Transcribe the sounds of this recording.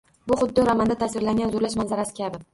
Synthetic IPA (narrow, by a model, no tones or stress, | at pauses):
bʊχʊd̪ːɪɾamand̪at̪ʰasɪɾlaŋɡʲanzʊɾlaʃmanzaɾasɪ̥kʲʰabɪ